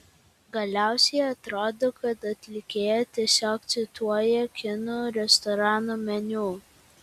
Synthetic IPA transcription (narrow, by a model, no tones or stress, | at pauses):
ɡɐlʲæˑʊsʲɛɪɐt̪ɾoːd̪okɐt̪ɐt̪ʲlʲɪkʲeːjɛt̪ʲiɛsʲoːkt̪sʲɪt̪uɔjɛkʲɪnoːɾʲɛst̪ɔɾɑːnoːmʲɛnʲuː